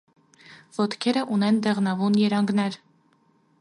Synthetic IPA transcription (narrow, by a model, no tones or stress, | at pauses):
v̥ɔt̪kʰɛɾəʔunɛnd̪ɛʁnɑvunjɛɾɑŋɡnɛɾ